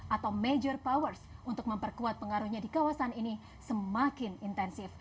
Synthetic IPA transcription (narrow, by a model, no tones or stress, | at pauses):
ʔat̪awmed͡ʒɔrpawərsunt̪ʊk̚məmpərkuat̪̚pəŋaɾuhɲadikawasanini | səmakɪnint̪ɛnsɪf